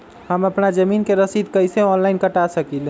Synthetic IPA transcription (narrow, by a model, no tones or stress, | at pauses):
həməpnad͡ʒəminkeɾəsid̪̚kəjseɔnlaɪnkəʈasəkil